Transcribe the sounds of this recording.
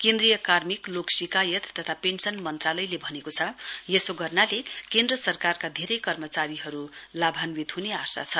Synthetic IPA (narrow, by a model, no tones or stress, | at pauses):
kend̪rijʌkarmikloksikajʌt̪ːʌt̪ʰapensʌnmʌnt̪ralʌjlebʱʌnekot͡sʰʌjesoɡʌrnalekend̪rʌsʌrkarkad̪ʱeɾʌjkʌrmʌt͡saɾiɦʌɾulabʱanwit̪ɦuneasa̰t͡sʰʌ